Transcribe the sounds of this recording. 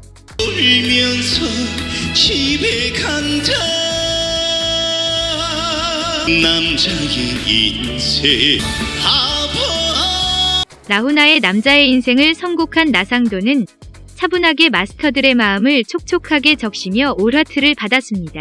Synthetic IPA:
oɾimjʌnsʰʌɕʰibekʰaŋd͡ʑa | namt͡ɕʰiŋɡi | i | sʰe | abʌ | naɦunae̞namd͡ʑae̞insʰe̞ŋɯɭsʰʌnɡokʰanːasʰaŋdonɯn | t͡ɕʰabunɦaɡe̞masʰɯ̥tʰʌdɯɾe̞maɯmɯɭt͡ɕʰok̚t͡ɕʰokʰaɡe̞t͡ɕʌk̚ɕ͈imjʌoɾatʰɯɾɯɭpadas͈ɯmɲida

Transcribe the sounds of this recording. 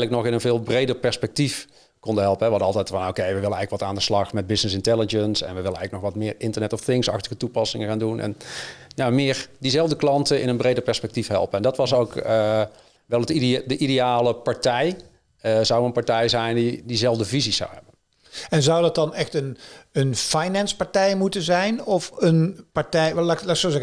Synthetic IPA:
ələknɔxɪnənvɪːlˠbrejdəɹpɛɹspɛk̚tif | kɔndəɦɛlˠpənɦɛʋɑntɑlˠtɛjtfɑno̰wkejʋəʋɪlənɛjɣələkʋɑtaːndəslɑxmɛd̚bɪsnɪsɪntɛlˠɪd͡ʒənsɛ̰nʋəʋɪlənɛjɣələknɔxʋɑtmɪːɹɪntərnɛtɔfθɪŋsɑxtəɣətupɑsɪŋəxaːndunʔɛ̰njamɪːɹdizɛlˠvdəklɑntəɪ̰nənbrejdəɹpɛɹspɛk̚tifhɛ̰lˠpəɛndɑtʋɑsowkə | ʋɛlˠətidəʔidejaːləpaɹtɛj | əzawənpaɹtɛjzɛjndidizɛlˠvdəvizisa̰wɛ̰bən | ɛnzawdɑt̚dɑnɛxtənənfajnɛnspaɹtɛjmutəzɛjnɔfənpaɹtɛjlalasozɛ

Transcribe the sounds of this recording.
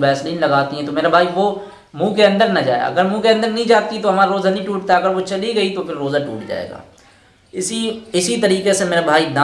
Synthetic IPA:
bɛːsliːnlɐɡaːt̪iɦɛ̃t̪omeːɾabʱaːiʋoː | mũːkeɐ̃nd̪əɾnɐd͡ʒa̰ːja̰ɐ̰ɡəɾmũːkeɐ̃nd̪əɾnɐɦĩd͡ʒaːt̪it̪oɦɐmaːɾaɾoːzanɐɦĩʈuːʈt̪aɐɡəɾʋot͡ʃɐliɡɐit̪opʰɪɾːoːzaʈṵːʈd͡ʒa̰ːḛːɡa̰ː | ɪsiɪsit̪ɐɾiːqesemeːɾabʱaːid̪a

